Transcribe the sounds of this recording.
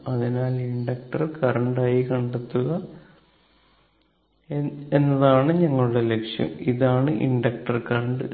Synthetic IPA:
ɐðinaːliɳɖɐk̚ʈɐrkɐɾɐɳɖaːjikɐɳɖet̪ːuɣɐ | enːɐðaːɳɨɲɐŋːɐɭuɽe̞le̞kʂjɐ̰miðaːɳɨʔḭɳɖɐk̚ʈɐrkɐrɐɳɖɨ

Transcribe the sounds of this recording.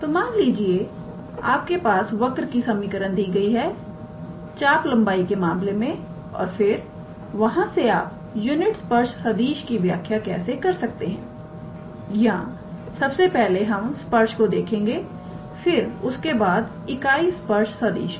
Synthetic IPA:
t̪omaːŋliːd͡ʒie | aːp̚kepaːsʋɐkɾkisɐmikəɾənd̪iːɡɐiɦɛ | t͡ʃaːplɐ̃mbaːikemaːmlemẽ | ɔ̰ːɾfɪɾ | ʋɐɦãseaːp̚ | juːnɪʈspɐɾʃsɐd̪iːʃkiʋjaːkʰjakɛ̰ːsekɐɾsɐk̚t̪eɦɛ̃ː | jɐɦã | sɐbsepɛɦleɦɐmspɐɾʃkod̪eːkʰẽːŋɡe | fɪɾʊskebaːd̪ | ɪkaːiːspɐɾʃsɐd̪ḭːʃ

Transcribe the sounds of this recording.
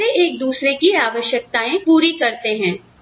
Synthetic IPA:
eeːk̚d̪uːsɾekiaːʋəʃjək̚t̪aẽpuːɾikɐɾt̪eɦɛ̃ː

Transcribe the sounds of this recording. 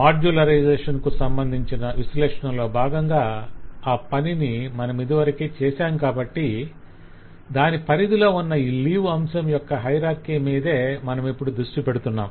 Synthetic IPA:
maːɾd͡ʒulɐɾɐjd͡ʒɛːʂɐnkusɐmbɐnd̪ʱiɲt͡ʃinɐʋislɛːʂɐɳɐmlo̞ːbʱaːɡɐŋɡaːaːpɐninimɐnɐmid̪iʋɐɾɐkiːt͡ʃɛːsaːmkaːbɐʈːi | d̪aːnipɐɾid̪ilo̞ːunːɐiːliːʋɐmsɐmjɔkːɐɦɐjɾaːɾkiːmiːd̪e̞ːmɐnɐmipːuɽud̪ɾuʂʈipeɽut̪unːa̰ːm

